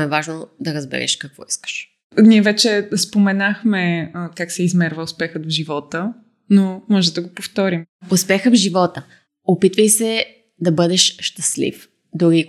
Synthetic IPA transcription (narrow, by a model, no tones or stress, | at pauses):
ɛvaʒnod̪ɐɾəzbɛ̰ɾɛ̰ʃkɐkvɔ̰iskə̥ʃ | niɛvɛt͡ʃɛspomɛnaxmɛkaksɛizmɛɾvəʊspɛxət̪vʒivɔt̪ə | nomɔʒɛd̪ɐɡopoft̪ɔɾim | ʊspɛxəvʒivɔt̪ə | opit̪vəjsɛ | d̪ɐbɤd̪ɛʃʃt̪ɐslḭf | d̪ʊɾi